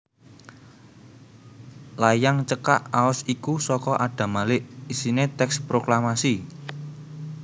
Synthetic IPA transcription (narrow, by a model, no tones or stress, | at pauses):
lajaŋt͡ʃəkaʔaʊsikusɔkɔʔaɖ̥ä̤malɪʔisinet̪ɛkspɾoklamasi